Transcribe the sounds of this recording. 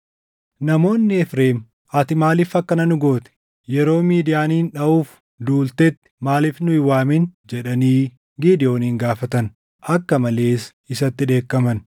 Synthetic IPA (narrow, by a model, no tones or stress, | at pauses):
nɐmo̞ːnːɪɛfɾeːm | ɐt̪ɪmaːliːfɐkːɐnɐnʊɡo̞ːt̪ɛ̥ | jɛɾo̞ːmiːd̪ɪjaːniːnᶑɐuːf | d̪uːlt̪ɛt̪ːɪ̥maːliːfnʊɪwaːmind͡ʒɛᶑɐniː | ɡiːd̪ɪjo̞ːnːŋɡaːfɐt̪ɐn | ʔɐkːɐmɐle̞ːs | ɪsɐt̪ːɪᶑe̞ːkːɐmɐn